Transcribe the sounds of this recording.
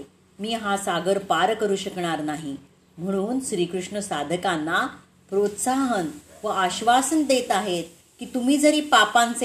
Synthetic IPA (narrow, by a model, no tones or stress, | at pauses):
miːɦasaɡəɾpaɾkəɾuːɕəkɳ̃aɾnaɦi | m̤əɽ̃uːnɕɾiːkɾuʂɳəsad̪ʱəkãnːa | pɾot̪saɦənʋəaɕʋasənd̪et̪aɦet̪̚ | kiːt̪um̤iːd͡zəɾiːpapãnt͡se